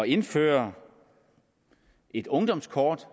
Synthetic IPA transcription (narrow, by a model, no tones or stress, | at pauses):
ɒe̝nfø̰ːɐ | ʔe̝d̥ɔ̽ŋd̥ɒ̽m̰skʰɒːd̥